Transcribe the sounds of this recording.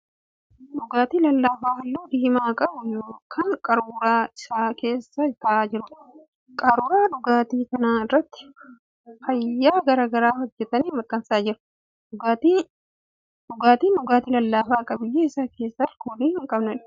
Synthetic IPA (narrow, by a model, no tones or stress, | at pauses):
ᶑʊɡaːt̪iːlɐlːaːfaːɦɐlːoːd̪iːmaːkʼɐbʊjoːkʰɐŋkʼɐɾuːɾaːɪsaːke̞ːsːɐɪt̪ɐaːd͡ʒɪɾʊ | kʼɐɾʊːɾaːdʊɡaːt̪iːkɐnaːɪrːɐt̪ːɪ̥ | fɐjːaːɡɐɾaːɡɐɾaːhɔd͡ʒːɛt̪ɐniːmɐk̪ʼːɐnsaːd͡ʒɪɾʊ̥ | dʊɡaːt̪i | dʊɡaːt̪iːndʊɡaːt̪iːlɐlːaːfaːkʼɐbɪjːeːɪsaːke̞ːsːɐɾkoːliːhɪŋkʼɐbnɐᶑ